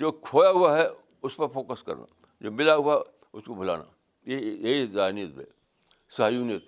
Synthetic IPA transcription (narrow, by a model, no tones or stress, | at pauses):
d͡ʒoːkʰoːjaɦʊaɦɛ | ʊspɐɾfoːkəskɐ̰ɾna̰ | d͡ʒoːmɪlaɦʊaɦɛ | ʊskobʱʊla̰ːna̰ | jejeizaːnijət̪̚bḛ | saɦjunit̪